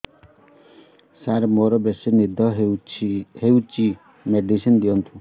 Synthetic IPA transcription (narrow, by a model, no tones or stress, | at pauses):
saɾmoɾɔbesinid̪ʱɔɦ | hewt͡ʃi | meɖisɔnd̪ijɔnt̪ʰu